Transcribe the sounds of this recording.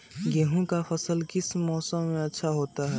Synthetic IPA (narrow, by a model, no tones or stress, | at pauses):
ɡeɦũkafɐsəlkɪsmɔːsəmːẽɐtːʃʰaɦoːt̪aɦɛ